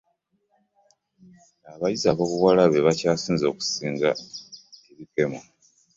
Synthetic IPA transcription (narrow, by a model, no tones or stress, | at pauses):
aβajizaβo̞βuwalaβe̞βacaːsiːnzo̞ːku̥siːŋɡa | eβike̞ma